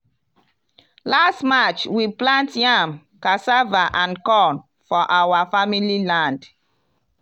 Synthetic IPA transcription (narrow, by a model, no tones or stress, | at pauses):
lastmat͡ʃwiplãntjam | kasavaʔãnkɔn | fɔʔawafamililãnd